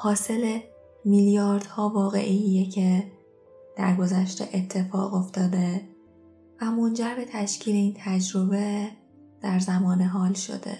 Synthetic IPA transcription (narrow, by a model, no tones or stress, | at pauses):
hɒːse̞le | miljɒːɾd̪̥hɒːvɒːɣe̞̰ʔiijecʰe̞ | d̪̥æ̰ɾɡo̞zæʃt̪ḛʔet̪ʰːe̞fɒ̰ːɣo̞ft̪ɒːd̪e̞ | væmo̞nd͡ʒæɾbe̞t̪ʰæʃcʰiːle̞iːnt̪ʰæd͡ʒɾo̞be | d̪̥æɾzæmɒːneɦɒːlʃo̞̰d̪̥e̞̰